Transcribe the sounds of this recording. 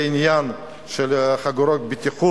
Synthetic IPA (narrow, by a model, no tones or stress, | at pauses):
njan | ʃelχaɡuɾɔk̚bit̪ʰiqʰu